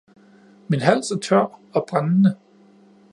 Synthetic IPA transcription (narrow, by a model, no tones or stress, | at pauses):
minɦæl̰sæɐt͡sʰɶɐ̰ɒ̽b̥ʁannə